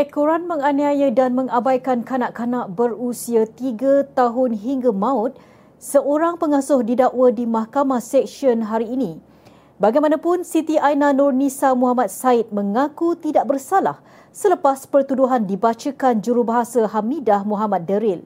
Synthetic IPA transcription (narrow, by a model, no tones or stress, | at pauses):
ɛkoɾanmə̃ŋaniajədanmə̃ŋabajkankanaʔkanaʔbərusiat̪iɡat̪aɦʊnɦiŋɡamãʊt̪̚ | səʔoɾaŋpəŋasʊhdidaʔwədimahkamahsɛksiɔnɦaɾiːnĩ | baɡajmanãpʊnsit̪iʔajnanɔrnisamuɦamat̪̚saɪt̪̚məŋakut̪idaʔ̚bərsala̰h | sələpaspərt̪uduɦandibat͡ʃəkand͡ʒuɾubaɦasaɦamidahmuɦamat̪̚dəɾɪl